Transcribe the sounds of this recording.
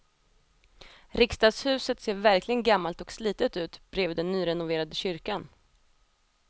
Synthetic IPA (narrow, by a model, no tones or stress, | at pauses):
ɾɪkst̪ɑːɡshʉ̟ːsət̪seːɾvæɾklɪɡənɡamːalt̪ɔksliːt̪ət̪ʉ̟ːt̪bɾeːvd̪ɛnːyːɾɛnʊveːɾad̪əɕʏɾkan